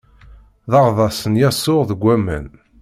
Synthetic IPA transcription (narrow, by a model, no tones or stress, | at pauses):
ðɑʁðˤɑsənjæsːʊʁðəɡʷːæmæ̰n